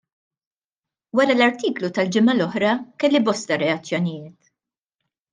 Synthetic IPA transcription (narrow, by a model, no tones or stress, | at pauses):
wɐɾɐlɐɾt̪iːklut̪ɐld͡ʒɪmɐlɔħɾɐkɛlːibɔst̪ɐɾɛɐt͡sːjɔnɪjɪːt̪